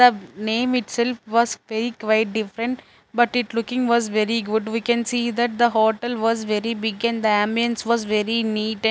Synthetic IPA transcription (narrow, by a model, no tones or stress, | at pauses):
d̪ənẽːmɪʈsɛlfʋɔːzʋɛɾikʋaɪʈ̚ɖɪfɾə̃ɳʈ | bʌʈɪʈlʊkɪ̃ŋʋɔːzʋɛɾiɡʊɖʋiːkɛ̃nsiːd̪æʈ̚d̪əɦoːʈəlʋɔːzʋɛɾibɪɡɛ̃nɖd̪əæ̃mbiə̃nsʋɔːzʋɛɾiniːʈɛ̃